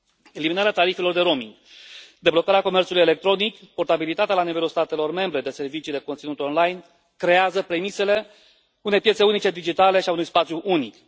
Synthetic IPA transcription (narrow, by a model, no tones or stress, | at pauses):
e̞liminaɾeat̪aɾife̞lo̞rd̪e̞ɾo̞miŋɡ | d̪e̞blo̞kaɾeako̞me̞rt̪suluje̞le̞k̚t̪ɾo̞nikpo̞rt̪abilit̪at̪ealanive̞lulst̪at̪e̞lo̞rme̞mbɾe̞d̪e̞se̞rvit͡ʃiːle̞kont̪sinut̪eo̞nlajn | kɾe̞azəpɾe̞mise̞le̞ | une̞jpjese̞unit͡ʃe̞d̪id͡ʒit̪ale̞ʃiaunujspat̪sʲjuʔunik